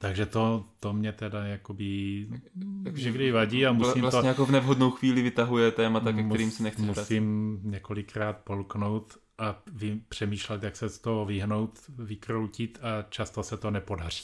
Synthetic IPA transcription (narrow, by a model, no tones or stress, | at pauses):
t̪aɡʒɛt̪o̞t̪omɲɛt̪ɛdajakobɪ | ɲɛɡdɪvaɟiːamulsimlast̪oɲɛjakovnɛvɦodnowxviːlɪvɪt̪aɦujɛt̪ɛːmat̪akɛkmɛɾiːmsɛnɛxt͡sɛusɪmɲɛko̞lɪkɾaːt̪̚polkno̞wt̪ | ʔavɪpr̝̥ɛmiːʃlɛt̪jaksɛst̪oɦovɪɦno̞wt̪vɪkɾowcɪt̪ʰat͡ʃast̪osɛt̪o̞nɛpo̞dar̝i̥ː